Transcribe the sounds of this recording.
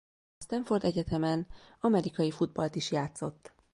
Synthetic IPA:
ɒst̪ɛɱfo̞rd̪ɛɟɛt̪ɛmɛn | ɒmɛɾikɒjifud̪̚bɒlt̪iʃjaːt̪so̞t̪ː

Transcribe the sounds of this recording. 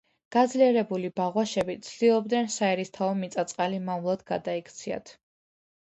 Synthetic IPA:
ɡ̥ad̪zliɛɾɛbulibaʁwaʃɛbit̪sʰd̪ilˠɔb̚d̪nɛnsaɛɾist̪ʰaɔmit̪sʼat̪sʼqʼalimamlˠɔd̪ɡad̪aikʰt̪sʰia̰t̪ʰ

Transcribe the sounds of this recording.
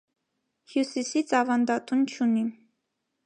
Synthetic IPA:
hjusisit͡sʰɑvɑnd̪ɑt̪unt͡ʃʰuni

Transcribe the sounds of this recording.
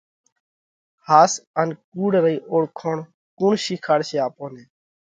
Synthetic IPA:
haːsənkuːɽɾəiːʔoːɽkʰoːɳ | kuːɳʃiːkʰaːɽseːaːpoːneː

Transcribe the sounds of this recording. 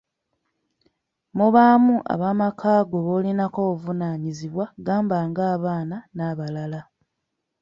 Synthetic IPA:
muβaːmuʔa̰βaːmakʰaːɡo̞βoːlinako̞ːvunaːɲiziβwaɡaːmbaːŋɡaːβaːnanaːβalala

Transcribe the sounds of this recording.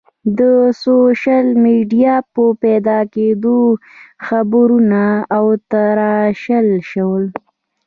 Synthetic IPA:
d̪əsoʃalmiɖijɑpəpɛd̪ɑked̪oxabɾunaːwt̪aɾɑʃəlʃəwəl

